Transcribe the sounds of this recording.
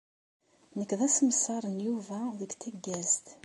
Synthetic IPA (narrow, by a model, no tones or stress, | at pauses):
nəkːðæsəməsɑɾˤənjuvæðəɡt̪æɡːæzt̪